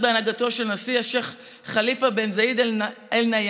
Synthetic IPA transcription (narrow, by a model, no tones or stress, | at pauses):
beanaɡat̪o̞ʃelnasieʃeχ | χalifabenzaid̪elnaj